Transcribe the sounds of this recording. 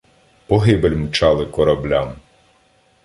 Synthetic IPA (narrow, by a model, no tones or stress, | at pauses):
pɔɦɪbelʲmt͡ʃɑlˠɪkɔɾɐblʲam